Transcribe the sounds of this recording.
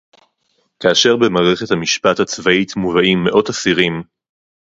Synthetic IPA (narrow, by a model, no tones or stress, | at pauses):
kaːʃe̞ʁbe̞maːʁe̞χe̞thamiʃpathat͡svaitmuvaimːe̞ʔo̞tasiʁim